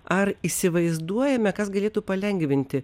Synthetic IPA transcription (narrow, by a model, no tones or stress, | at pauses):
ɐɾiːsʲɪʋɐɪzd̪uɔjɛmʲɛkɐsɡɐlʲeːt̪upɐlʲɛŋʲɡʋʲɪnʲt̪ʲɪ